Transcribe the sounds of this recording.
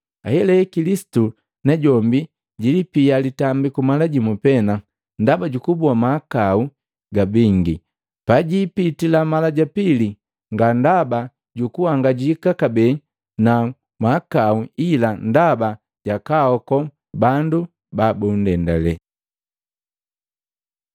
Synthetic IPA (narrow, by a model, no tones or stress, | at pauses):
ahɛlɛkilisi̥tu | nɛɟɔmbi | ɟilipialitambikumalaɟimupɛna | ndabaɟukubuamakau | ɡabiŋɡi | paɟiːpitilamalaɟapili | ŋɡandaba | ɟukuhaŋɡaɟikakabɛ | na | makauilandaba | ɟakahɔkɔ | bandu | babundɛndalɛ